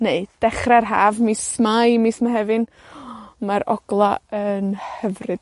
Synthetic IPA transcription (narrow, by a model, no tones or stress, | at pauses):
neɨd̥ɛχrɛɾɦaːvmismajmismaɦɛvɨn | maɾɔ̰ɡlˠaənhəvrɨd̥